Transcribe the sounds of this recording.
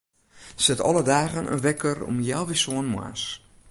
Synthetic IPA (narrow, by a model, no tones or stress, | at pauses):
sɛtɔ̰lˠədaːɣənʔə̰ʋɛkʰərɔ̰mjaːʋisoənma̰s